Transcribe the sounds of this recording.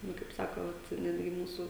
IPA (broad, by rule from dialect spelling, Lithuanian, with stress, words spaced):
ˈnʊ kɐɪp ˈsɑːkoː ˈʋɐt ˈnʲæːdʲɡʲɪ ˈmuːsʊ